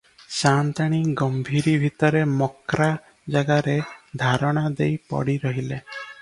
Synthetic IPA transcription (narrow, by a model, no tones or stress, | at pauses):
sant̪aɽ̃iɡɔmbʱiɾibʱit̪ɔɾemɔkɾa | d͡ʒaɡaɾed̪ʱaɾɔɽ̃ad̪ejpɔ̰ɽiɾɔɦile